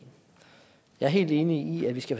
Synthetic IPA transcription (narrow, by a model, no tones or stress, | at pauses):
jɑ̈ɪæɐɦe̝̰ːld̥e̝ːniiæd̥ʋisɡ̥æf